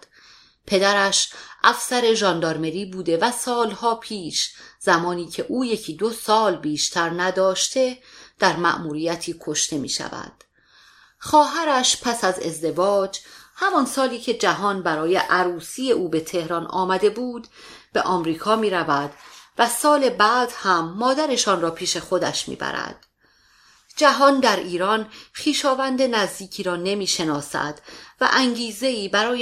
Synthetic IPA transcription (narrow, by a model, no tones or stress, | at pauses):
pʰe̞d̪æɾæʃʔæfsæɾe̞ʒɒːnd̪ɒɾme̞ɾiːbuːd̪e̞væsɒːlhɒːpʰiːʃz̥æmɒːniːcʰe̞ʔuːjecʰid̪osɒːlbiːʃt̪ʰæɾnæd̪ɒːʃt̪ʰe̞d̪̥æɾmæ̰ʔmuːɾiːjæt̪ʰiːkʰo̞ʃt̪ʰe̞mḭːʃæ̰væ̰d̪̥ | xɒːɦæɾæʃpʰæsæze̞zd̪e̞vɒːd͡ʒhæmɒnsɒːliːcʰe̞d͡ʒæɦɒːnbæɾɒːjeʔæɾuːsiːje̞ʔuːbe̞t̪ʰe̞hɾɒːnɒ̰ːmæd̪e̞buːd̪b̥e̞̰ʔɒːmɾiːkʰɒːmiːɾævæd̪̥væsɒːle̞bæːd̪̥hæmːɒːd̪æɾe̞ʃɒːnrɒːpʰiːʃe̞xo̞d̪æ̰ʃmḭːbæ̰ɾæ̰d̪̥ | d͡ʒæɦɒːnd̪æɾiːɾɒːnχiːʃɒːvænd̪enæzd̪iːcʰiːɾɒːne̞miːʃe̞nɒːsæ̰d̪̥væ̰ʔæŋɟiːze̞iːbæɾɒːj